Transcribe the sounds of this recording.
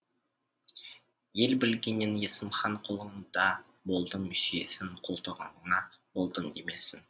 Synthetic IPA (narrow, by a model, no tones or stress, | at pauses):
je̞lbɪlɡʲe̞nːenje̞səmχɑɴqʰolˠəɴd̪ɑ | bo̞lˠd̪əʏʃie̞̰sɪɴqʰolˠt̪əʁɑ̰ɴənɑb̥o̞lˠd̪əɴeme̞sɪn